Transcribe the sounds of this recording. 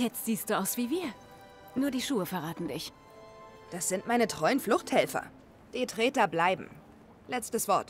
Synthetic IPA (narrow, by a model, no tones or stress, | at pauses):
jɛt͡stz̥iːst̚d̥uːʔaʊsv̥iːviːɐ | nuːɐdiːʃuːəfɛɐʁaːtn̩dɪç | d̥asz̥ɪntmaɪnətʁ̥ɔʏənflʊxthɛlfɐ̰ | d̥iːtʁ̥ɛːtɐblaɪbm̩ | lɛt͡stəsv̥ɔɐt